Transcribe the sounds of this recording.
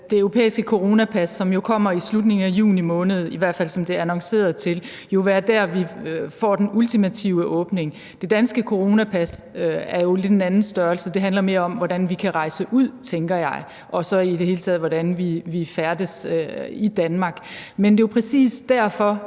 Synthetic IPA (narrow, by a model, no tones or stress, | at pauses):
d̥e̝øʊʁo̝pʰḛːisɡ̥əkʰo̝ʁo̝ːnæpʰæsːɒ̽mjo̝kʰɒ̽m̰ɐislud̥ne̝ŋn̩æjṵːnimɔ̽ːnəð̞̩ˠiʋæɐ̰d̥fæl̰sɒ̽md̥e̝ɐænɑ̈ŋse̝̰ːɐðˠt͡sʰe̝l | jo̝ʋæːɐd̥æɐ̰ʋifɒ̰ːd̥enult͡sʰimæt͡sʰiʊəʔɔ̽ːb̥ne̝ŋ | d̥e̝d̥ænsɡ̥əkʰo̝ʁo̝ːnæpʰæsæɐjo̝le̝d̥enænn̩sd̥ɶɐlsəd̥e̝ɦændlɐme̝ːɐɒ̽mʋɒɾænʋikʰæʁɑ̈ɪsəʔuð̰ˠt͡sʰeŋɡ̥ɐjɑ̈ɪ | ʔɒ̽sɒ̽id̥e̝ɦe̝ːlt͡sʰɛ̰ð̩ˠʋɒɾænʋiʋifæɐd̥əsid̥ænmɑ̈ːɡ̥mend̥e̝jopʰʁɛsḭːsd̥æɐ̰fɒ̽